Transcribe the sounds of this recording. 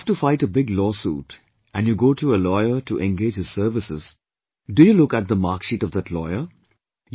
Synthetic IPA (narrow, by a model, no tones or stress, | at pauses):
fʈufaɪʈəbɪɡlɔːsṵːʈ | æ̃njuɡoːʈʰuəlɔɪəʈuʔɛ̃nɡeːd͡ʒhɪz̥səːɾʋɪsɪz̥ | ɖujulʊkæʈ̚d̪əmaːɾkʃiːʈɔvd̪æʈlɔɪə | j